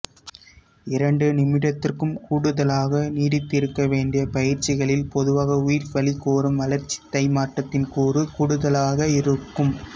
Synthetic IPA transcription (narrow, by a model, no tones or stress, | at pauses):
ɪɾɐɳɖɯnɪmɪɽɐt̪ːɪrkɯmkuːɽɯðɐlaːɣɐniːɽɪt̪ːɪɾɯkːɐʋeːɳɖɪjɐpɐjɪɾt͡ʃɪɣɐɭɪlpɔðɯʋaːɣɐʊjɪɾʋɐɭikːoːrɯmʋɐlɐɾt͡ʃːi̥t̪ːɐɪmaːʈːɐt̪ːɪnkuːrɯkuːɽɯðɐlaːɣɐɪɾɯkːɯm